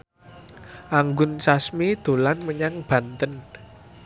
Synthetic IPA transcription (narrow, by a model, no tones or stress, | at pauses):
ʔaŋɡʊnsasmid̪̥o̤lanməɲaŋb̥ä̤nt̪ən